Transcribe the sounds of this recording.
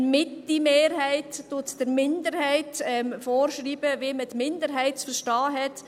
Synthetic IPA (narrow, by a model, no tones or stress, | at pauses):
mɪtimeːɾhæɪtːʊtd̥əɾmɪndəɾhɛɪtɛmfɔːɾʃɾiːb̥əviəmədmɪndəɾɦæɪtt͡sfəɾʃtɑːɦɛt